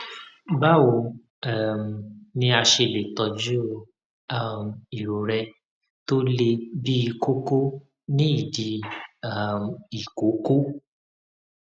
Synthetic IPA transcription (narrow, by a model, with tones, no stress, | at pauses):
ba˦˨wo˧˨ | a˦˨m˨nĩ˧˦a˧ʃe˧le˨tɔ˨d͡ʒu˦˧ | a˦˨m˨i˨ɾo˨ɾɛ˧ | to˦le˧bi˦i˧ko˦ko˦ | nĩ˦i˦˨di˧a˦˨m˨i˨ko˨˦ko˦